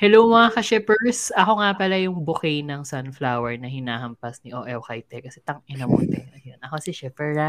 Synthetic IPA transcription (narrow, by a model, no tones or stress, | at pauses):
hɛlowmɐakɐʃɛpɛɹsʔɐko̞ŋapɐlɐjʊŋbʊkɛnɐŋsanflawɛɹnɐhɪnaːhɐmpɐsniʔoʔɛwkajt̪ɛkɐsɛt̪ɐŋʔɪnɐmʊ̰nt̪ɛɐjonɐkosɪʃɛpɛɹa